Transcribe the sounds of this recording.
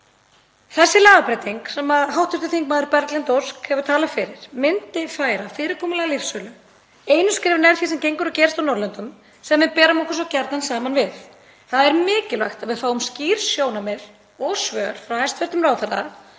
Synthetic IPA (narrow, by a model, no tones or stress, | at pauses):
θɛsːɪlaːðapɾajt̪iŋksɛmaðɦawht̪ʰʏ̥t̪ɪ̥θiŋk̚maːðʏɾpɛɾt̪lɛnt̪oskhɛvʏt̪ʰaːlafɪɾɪɾ̥mɪnt̪ɪfaːjɾafɪːɾɪɾkʰɔːmalɛːɣalɪfsœlʏ | eːjnʏskɾɪːvʏɾnɛɾθjisɛmcejŋkʏɾʏcɛːɾɪst̪awnɔɾlɛnt̪ʏm | sɛmvɪðpɛːɾamɔhkʏs̬ɔcɛɾt̪nansaːmanvɪθ | θaðaɛɾmɪːcɪlvajxt̪aðvɪðfaːwʏmsciːɾ̥sjoːwnamɛð | ɔɣsvœːɾ̥fɾawhajst̪vɛɾt̪ʏmɾaːwθaɾða̰